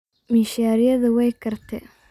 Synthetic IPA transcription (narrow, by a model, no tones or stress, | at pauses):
mɪʃaːɾɪjɐðɐwɛjkʰɐrt̪ʰɛ